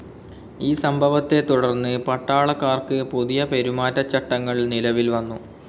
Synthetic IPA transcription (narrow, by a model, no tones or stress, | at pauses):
iːsɐmbʱɐʋɐt̪ːe̞t̪uɽɐrnːɨpɐʈːaːɭɐkːaːrkɨpuðijɐpe̞ɾumaːtːɐt͡ɕːɐʈːɐŋːɐɭnilɐʋilʋɐnːu